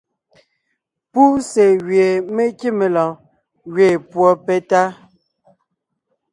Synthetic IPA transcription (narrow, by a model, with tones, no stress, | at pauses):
pu˦se˨ɣɥe˨me˦ki˦me˨lɔ̃˨ | ɣɥe˨pwɔ˦pɛ˦ta˦